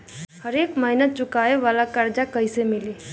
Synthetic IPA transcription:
həɾeːkməɦɪnət̪̚t͡ʃʊkaːeʋaːlakəɾd͡ʒakəisemɪliː

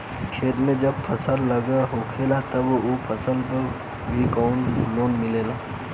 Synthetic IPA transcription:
kʰeːt̪mẽd͡ʒɐb̚pʰɐsəlːɐɡaɦoːkʰeːlat̪ɐbopʰəsəlpə | bʱikɔːnloːnmɪleːlaː

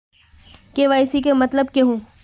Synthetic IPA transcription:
keʋaːɪsikemɐt̪ləb̚keɦũː

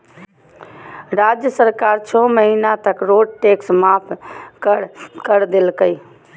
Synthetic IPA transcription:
ɾad͡ʒjəsəɾkaɾt͡ʃʰɔməɦinat̪əkɾoɖʈeksmapʰ | kəɾd̪elkəj

